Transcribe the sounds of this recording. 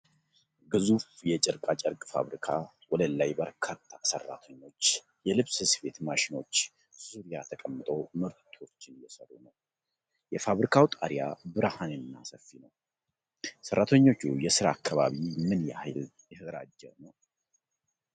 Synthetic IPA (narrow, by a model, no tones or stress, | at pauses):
ɡɨzufjɛt͡ʃʼɪɾkʼat͡ʃʼəɾkʼfa̰βɾikʰa | wɔd̪əlajbəɾkʰat̪ʰːasərːa̰t̪ʰəɲːo̞t͡ʃː | jɛlɨβshɨsbe̞t̪maʃɪno̞t͡ʃː | z̥uɾijat̪ʰəkʼəmːɨt̪ʼo̞mɨɾt̪ʰo̞t͡ʃːɪnjɛsəɾunəw | jɛfaβɾikʰawt̪ʼaɾija̰bɨɾahanjɛmːa̰səfinəw | sərːat̪ʰəɲːo̞t͡ʃːujɛsɨɾaːkʰːaβa̰βimɨnjɛal | jɛhɨɡɾa̰d͡ʒːɛɾnəw